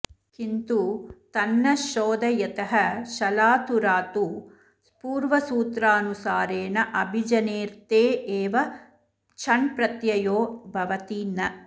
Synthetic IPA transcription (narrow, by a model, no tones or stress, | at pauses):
kint̪ut̪ɐnːɐʃoːd̪ɐjɐt̪ɐɦɐʃɐlaːt̪uɾaːt̪u | spuːɾʋɐsuːt̪ɾaːnusaːɾeːnɐʔɐbʱid͡ʒɐneːɾt̪eːeːʋɐ | t͡ʃʰɐɳpɾɐt̪jɐjoːbʱɐʋɐt̪iːnɐ